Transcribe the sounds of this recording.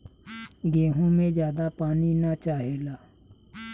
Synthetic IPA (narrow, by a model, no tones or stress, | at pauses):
ɡeːɦõmẽd͡ʒjaːd̪apaːninat͡ʃaːɦeːlaː